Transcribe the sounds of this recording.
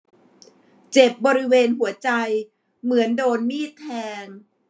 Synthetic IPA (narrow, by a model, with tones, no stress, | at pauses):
t͡ɕe˨˩p̚bɔː˧ɾi˦˥weː˧nɦu˩˦ɐt͡ɕa˧j | mɯ˩˦əndoː˧nmiː˥˩t̪ʰːɛː˧ŋ